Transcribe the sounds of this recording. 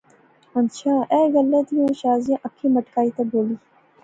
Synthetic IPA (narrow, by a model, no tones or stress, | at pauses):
ənt͡ʃʰãːʔeːɣəlːet̪ijõːʃaːzjãʔəkʰːĩːməʈkaːiːt̪ẽːboːliː